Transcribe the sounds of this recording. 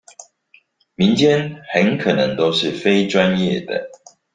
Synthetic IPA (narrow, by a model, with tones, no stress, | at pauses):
mi˨˦nt͡ɕjɛ˦nxə˨˦nkʰə˨˩nə˨˦ŋt̪o˦ʊʂɻ̩˥˨fe˦ɪʈ͡ʂwa˦njɛ˥˨d̪ə̰˩